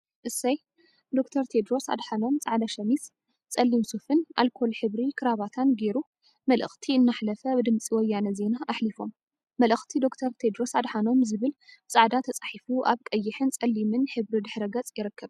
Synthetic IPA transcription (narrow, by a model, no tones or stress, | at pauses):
ʔɨsːɐj | d̪o̞kt̪ʰɐɾt̪ʰe̞d̪ɾo̞sa̰d̪ħano̞mt͡sʼaʕd̪aʃɐmis | t͡sʼɐlːimsufɨnʔa̰lkʰo̞lħɨβɾikʰɨɾaβat̪ʰanɡeɾu | mɐlʔɨ̰xt̪ʰiɨnːaħlɐfɐbɨd̪ɨmt͡sʼiwɔjːanɐze̞naʔːħlifo̞mː | ɐlɨxt̪ʰid̪o̞kt̪ʰɐɾt̪ʰed̪ɾo̞sad̪ħano̞mzɨβɨlt͡sʼaʕd̪at̪ʰɐt͡sʼaħifuʔaβkʼɐjːɪħɨnt͡sʼɐlːimɨnħɨβɾid̪ɨħɾɐɡɐt͡sʼjɪɾɨkʰːɐβ